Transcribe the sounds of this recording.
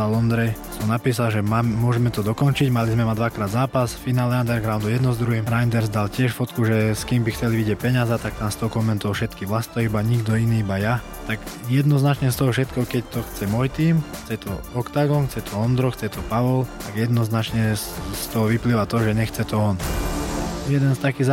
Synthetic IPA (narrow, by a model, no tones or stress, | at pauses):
alɔnd̪ɾɛjsɔmnapiːs̬alʒɛmamɛmʊɔʒɛmɛt̪ɔd̪ɔkɔnt͡ʃiɟmalizmɛmad̪ʋakɾaːd̪zaːpasfinaːlɛand̪ɛɾɡɾaʊnd̪ujɛd̪nɔzd̪ɾuɦiːmɾajnd̪ɛɾzd̪alcɪɛʃfɔt̪kuʒɛskiːmbixt͡sɛliʋiɟɪɛpɛɲazɛt̪akt̪aːmst̪ɔɦɔkɔmɛnt̪ɔɔfʃɛt̪kiʋlast̪ɔibaɲiɡd̪ɔiniːibaja | t̪aɡjɛd̪nɔznat͡ʃɲɛst̪ɔɦɔfʃɛt̪kɛɦɔkɛc̚t̪ɔxt͡sɛmɔjt̪iːmxt͡sɛt̪ʰɔɔkt̪aɡɔnxt͡sɛt̪ʰɔɔnd̪ɾɔxt͡sɛt̪ɔpaʋɔlt̪aɡjɛd̪nɔznat͡ʃɲɛst̪ɔɦɔʋipliʋat̪ɔʒɛɲɛxt͡sɛt̪ɔɔn | jɛd̪ɛnst̪akiz